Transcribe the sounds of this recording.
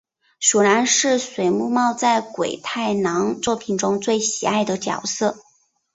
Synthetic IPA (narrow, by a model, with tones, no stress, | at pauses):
ɕu˨˩la˧˥nʂɻ̩˥˩swe˧˥ɪmu˥˧mɑ˥˧ʊt͡sa˥˩ɪkwe˨˩ɪt̪ʰa˥˩ɪnɑ˧˥ŋt͡swɔ˥˩pʰi˨˩nʈ͡ʂʊ˥ŋt͡swe˥˩ɪɕi˨˩a˥˩ɪd̪ə˩t͡ɕjɑ̰˨˩ʊsɤ˥˩